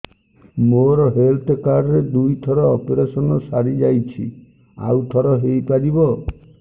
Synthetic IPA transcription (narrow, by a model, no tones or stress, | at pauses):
moɾɔɦelt̪kaɾɔɾed̪ujt̪ʰɔɾɔːpeɾasɔnɔsaɾid͡ʒajt͡ʃʰi | a̰wt̪ʰɔɾɔɦejpaɾibɔ